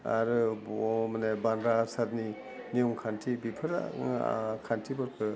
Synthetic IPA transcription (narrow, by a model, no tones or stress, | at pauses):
a̰ɾɯbmanebanɾasaɾni | nijɔŋkʰantʰibipʰɯɾa̰ | kʰantʰibɔɾkʰɯ